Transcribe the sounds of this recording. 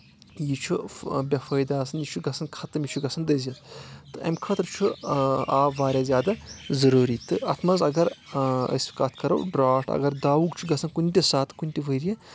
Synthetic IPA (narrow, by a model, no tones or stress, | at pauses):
jit͡ʃʰubʲɐfɐjd̪aːsɐnjit͡ʃʰuɡɐsʰɐnkʰɐt̪ɐmʲjit͡ʃʰuɡɐsʰɐnd̪əzʲɐt̪t̪ɨɐ̰mkʰɐt̪ɾt͡ʃʰuaːʋaːɾʲaːzʲjaːd̪azɐɾuːɾit̪ɨɐt̪ʰmɐzɐɡɐɾɐ̰si̥kaːt̪ʰkɐɾɐ̰wɖɾaːʈɐ̰ɡɐɾd̪aːʋuɡt͡ʃʰuɡɐsʰɐnkunʲtʲisaːt̪kunʲt̪ʲiʋəɾijɐ